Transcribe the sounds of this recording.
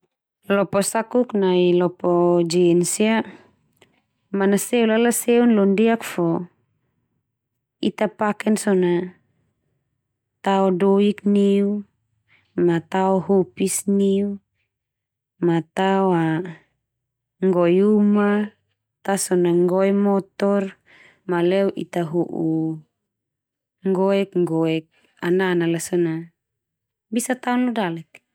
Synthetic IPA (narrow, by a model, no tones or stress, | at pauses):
lɔpɔsakuknailɔpɔd͡ʒinsia | manaseulalaseunlɔndiakfɔ | it̪apakɛnsɔna | t̪aɔdoikniu | mat̪aɔɦupisniu | mat̪awa | ŋɡɔjuma | t̪asɔnaŋɡɔɛmɔt̪ɔr | malɛwʔḭt̪aɦuʔu | ŋɡɔɛkŋɡɔɛk̚ | ananalasɔna | bisat̪aɔnɔdalɛk̚